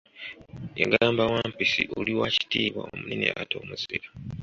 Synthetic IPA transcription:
ḛɡaːmbawaːmpisḭʔoliwaci̥tiːβwa̰omuninḭa̰toːmuziɾa

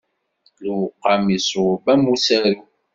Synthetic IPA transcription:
luqamisubamusɛɾu

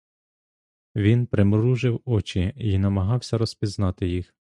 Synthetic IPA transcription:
ʋʲinpɾɪmɾuʒɪwɔt͡ʃiinɐmɐɦɑwsʲɐɾɔspʲiznɑt̪ɪjix

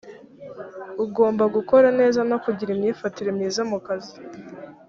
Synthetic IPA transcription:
uɡo̞ːmbaɡuko̞ɾane̞ːzanokuɟiɾimɲiːfatiɾemɲiːzamukazi

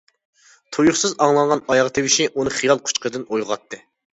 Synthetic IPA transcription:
t̪ʰojuχsɨzɑŋlˠɑnʁɑnɑjɑʁɑt̪ʰewɪʃiʔunɨχijɑlˠqʰʊ̥t͡ʃqəd̪ɨnojʁɑt̪ʰːɨ

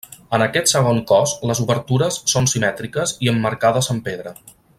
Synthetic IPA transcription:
ənəkɛt̪səɣ̞oŋkɔsləzuβəɾt̪uɾəsːonsimɛt̪ɾikəziəmːəɾkaðəzəmpeðɾə

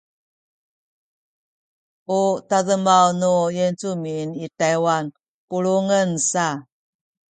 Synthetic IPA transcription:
utaðəmawnujent͡suminitajwan | puɭuŋənsa

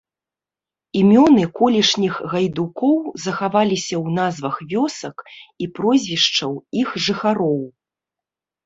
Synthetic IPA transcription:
imʲɔnɨkɔlʲiʂnʲixɣajd̪ukɔwzɐxavalʲisʲɐwn̪azvɐxvʲɔsɐkipɾɔzʲvʲiʂt͡ʂɐwixʐɨxaɾɔw

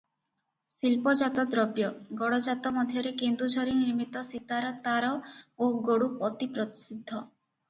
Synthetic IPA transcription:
silpɔd͡ʒat̪ɔd̪ɾɔbjɔɡɔɽɔd͡ʒat̪ɔmɔd̪ʱjɔɾekend̪ud͡ʒʱɔɾiniɾmit̪ɔsit̪aɾɔt̪aɾɔoɡoɽupɔt̪ipɾɔt̪i̥sid̪ʱːɔ

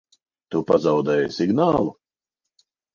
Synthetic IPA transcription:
t̪upazawd̪ɛːjsiɡnaːlˠu

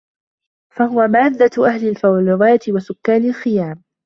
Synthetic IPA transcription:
fahʊwamaːd̪ːat̪ʔahlɪlfawalɪwaːjt̪ɪwasʊkːaːnɪlxɪjaːm

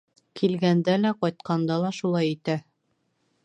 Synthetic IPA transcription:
kʰilɡænd̪ælæqɒjt̪̚qʰɑnd̪ɑlˠɑʃulˠɑjit̪æ

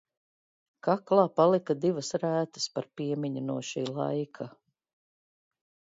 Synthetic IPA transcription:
kaklˠɑːpalˠikɐd̪ivɐsɾæːt̪ə̥spaɾpiɛmiɲunuɔʃiːlˠa̰jkʰa

